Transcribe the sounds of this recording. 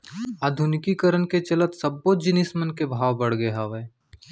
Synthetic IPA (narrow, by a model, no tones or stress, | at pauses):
aːd̪ʱʊnɪkikəɾənket͡ʃɐlət̪sɐbːoːd͡ʒɪnɪsmənkebʱaːʋbɐɽ̤ɡəɦaːʋeː